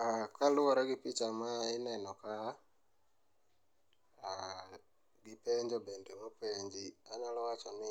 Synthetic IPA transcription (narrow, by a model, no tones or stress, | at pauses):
akaluɣɔɾaɡipit͡ʃamainɛnɔka | a | ɡipɛɲd͡ʒɔbɛndimupɛɲd͡ʒiaɲalɔwat͡ʃani